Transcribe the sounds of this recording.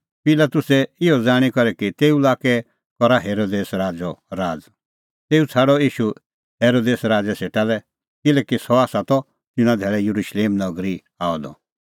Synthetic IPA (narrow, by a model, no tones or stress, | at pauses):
pɪlat̪ʊsɛɪɔd͡zaːɽ̃ikɔɾɛkit̪eːulaːkɛ | kɔɾaɦeːɾoːd̪eːsɾaːd͡zɔɾaːd͡z | t̪eːut͡sʰaːɽɔiːʃu | ɦeːɾoːd̪eːsɾaːd͡zɛseʈalɛ | kɪlɛːkisɔaːsat̪ɔ | tɪnãd̪ʱɛːɭɛjuɾuʃleːmnɔɡɾi | aːɔd̪ɔ̰